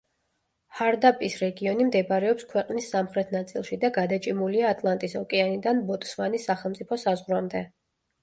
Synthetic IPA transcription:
haɾd̪apʼisɾɛɡiɔnimd̪ɛbaɾɛɔpskʰwɛqʼnisːamχɾɛt̪ʰnat̪sʼilˠʃid̪aɡad̪at͡ʃʼimuliaːt̪ʼlˠant̪ʼisɔkʼɛanid̪anbɔt̪ʼsmanisːaχɛlˠmt̪sʼipʰɔsazʁɾwamd̪ɛ

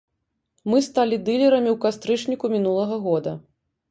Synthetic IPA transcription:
mɨst̪alʲid̪ɨlʲɛɾɐmʲiwkast̪ɾɨt͡ʂnʲikumʲinulˠɐɣɐɣɔd̪ɐ

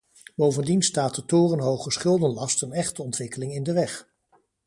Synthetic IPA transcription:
b̥owvəndinstaːt̚dətʊːrənɦowχəsχɪlˠdənlɑstənɛχtəɔntʋɪkəlɪŋɪndəʋɛχ

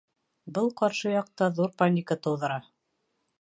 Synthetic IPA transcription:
bɤlˠqɑɾʃɤjɑq̚t̪ɑðuɾpanʲikət̪ɤ̆wðɤ̆ɾɑ

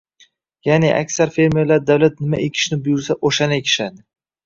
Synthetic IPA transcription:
janeʔa̰kʲsaɾfe̞ɾme̞ɾlaɾd̪awlat̪̚nɪmaekʲʰɪ̥ʃnɪbʊjʊɾsaʔoʃanaekʲʰɪ̥ʃad̪ɪ

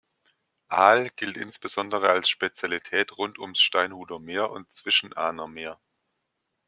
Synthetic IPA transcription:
ʔaːlɡ̥ɪltɪ̰nsb̥əzɔndəʁ̞əalsʃpet͡sjalitʰɛːtʁʊntʰʊmsʃtaɪnhuːdɐmeːɐʔʊ̰ntt͡sv̥ɪʃn̩ʔa̰ːnɐmeːɐ

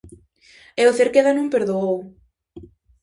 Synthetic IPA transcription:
ɛoθeɾkeðanõmpeɾðoow

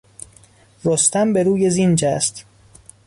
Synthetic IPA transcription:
rost̪ʰæmbe̞ɾuːjezind͡ʒæst̪

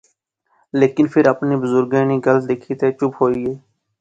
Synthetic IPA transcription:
leːkɪnpʰɪɾəpniːbəzʊɾɡẽːniːɡəld̪eːkʰiːt̪eːt͡ʃʊpɦoːiːeː

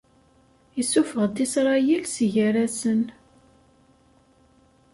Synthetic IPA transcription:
isufəʁd̪isɾˤɑjilsʝəɾæsən

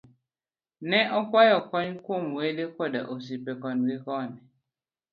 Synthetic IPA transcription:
nɛʔɔkwajɔkɔɲkomwedekɔda̰ʔos̬ipɛkɔnwekɔnɛ

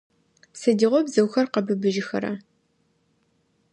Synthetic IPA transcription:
sɐdiʁʷɔbzɐwxɐrqɐbɨbɨʒɪxɐ̰ɾɐ̰

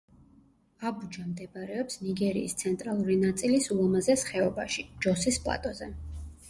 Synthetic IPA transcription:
abud͡ʒamd̪ɛbaɾɛɔpsniɡɛɾḭːst̪sʰɛnt̪ʼɾalˠuɾinat̪sʼilisulˠɔmazɛsχɛɔbaʃid͡ʒɔsispʼlˠa̰t̪ʼɔzɛ

